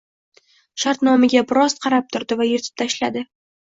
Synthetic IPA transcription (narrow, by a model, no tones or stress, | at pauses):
ʃaɾt̪nɒmɪɡʲabɪɾɒsqʰɑɾap̚t̪ʰʊɾd̪ɪvajeɾt̪ʰɪ̥p̚t̪ʰaʃlad̪ɪ